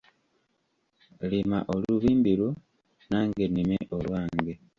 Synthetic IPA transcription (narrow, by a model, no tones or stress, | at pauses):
limaʔoluβiːmbiɾu | naːŋɡe̞nimeʔolwaːŋɡe